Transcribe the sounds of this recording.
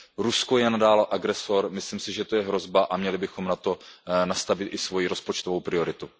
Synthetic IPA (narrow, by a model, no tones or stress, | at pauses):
ɾuskojɛnadaːlʔaɡɾɛso̞ɾmɪslɪmsɪʒɛt̪ojɛɦɾo̞zbaʔamɲɛlɪbɪxo̞mnat̪o̞nast̪avɪt̪ʔɪsvo̞jiɾo̞spo̞t͡ʃt̪ovowpɾɪo̞ɾɪt̪u